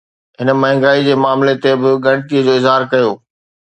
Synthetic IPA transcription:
ɦɪnəmɐ̃ɦɪ̃ŋɡaːid͡ʑeːmaːmlet̪ebɪɡɐ̃ɽ̃t̪iəd͡ʑoːɪzɦaːɾkɐjoː

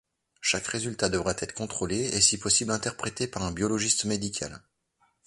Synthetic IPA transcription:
ʃakʁezylt̪ad̪əvʁɛt̪ʰɛt̪χkɔ̃t̪χoleesipɔsiblɛ̃t̪ɛʁpχet̪epaʁɛ̃bjɔlɔʒist̪med̪ikʲʰa̰l

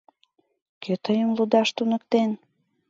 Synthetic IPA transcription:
kʰøt̪əjəmlud̪ɑʃt̪unəkt̪en

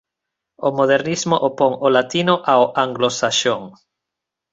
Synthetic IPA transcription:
omoð̞eɾnizmoʔopoŋolat̪inoʔaoʔaŋɡlosaʃoŋ

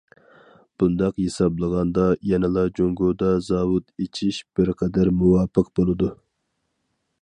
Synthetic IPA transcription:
b̥und̪ɑqhesɑblˠəʁɑnd̪ɑjɛnɨlˠɑd͡ʒoŋɡod̪ɑzɑːwut̪et͡ʃʰiʃb̥ɪɾqʰɛd̪æɾmuwɑːpʰəq̚bolˠɨd̪u

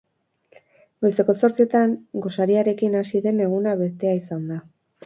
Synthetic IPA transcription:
be̞st̪e̞ko̞so̞ɾt͡sie̞t̪aŋɡo̞saɾiaɾe̞kinasiðe̞ne̞ɣ̞unaβe̞t̪e̞aisand̪a

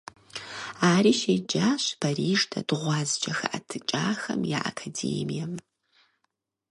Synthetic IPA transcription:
aːɾiːʃeːd͡ʒaːɕpʰɐriːʐtʰɐ̰dʁʷɑːzd͡ʒʼɐxɐʔɐtʰɨt͡ʃʼaːxɐmja̰ːʔa̰kʰadḛːmijɐm

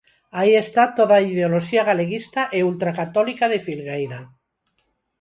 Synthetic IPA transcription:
aiest̪at̪oðaiðeoloʃiaɣ̞aleɣist̪aʔeult̪ɾakat̪olikaðefilɣejɾa

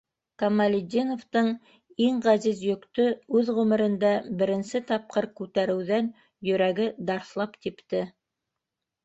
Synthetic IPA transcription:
kɐmalʲɪd̪ʲinoft̪ɤɴ | iɴʁæzizjɵ̆kt̪ɵʉðʁʉmɘ̆ɾɘ̆nd̪æbɘ̆ɾɘ̆nsɘt̪ɑp̚qɤɾkʉt̪æɾɘ̆wðæn | jɵ̆ɾæɡɘd̪ɑɾθlˠɑpt̪ipt̪ɘ

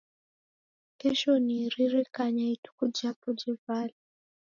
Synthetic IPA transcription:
kɛʃɔniɾiɾɛkaɲaitu̥kud͡ʒapud͡ʒɛvali

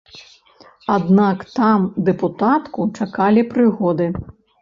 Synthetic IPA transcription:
ad̪nakt̪amd̪ɛput̪at̪kut͡ʂakalʲipɾɨɣɔd̪ɨ

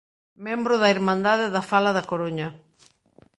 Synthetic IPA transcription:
mɛ̃mbɾʊðɐiɾmãnd̪aðeðafalɐðɐkoɾoɲɐ

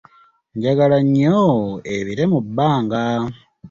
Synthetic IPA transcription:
ɲɟaɡalaɲːoeβiɾe̞mubːaːŋɡa

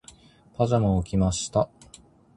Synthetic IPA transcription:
pʰazamookʲimaɕi̥t̪a

